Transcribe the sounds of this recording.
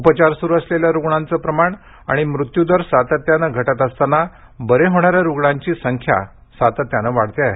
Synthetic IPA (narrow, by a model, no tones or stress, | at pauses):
upət͡ɕaɾsuɾuəsleljaɾuɡɳant͡səpɾəmaɳ | a̰ɽ̃imɾut̪jud̪əɾsat̪ət̪janəɡʱəʈat̪əst̪ana | bəɾeɦoɽ̃aɾjaɾuɡɳãɲt͡ɕiːsəŋkʰja̰ | sat̪ət̪janəʋaɽ̤t̪ea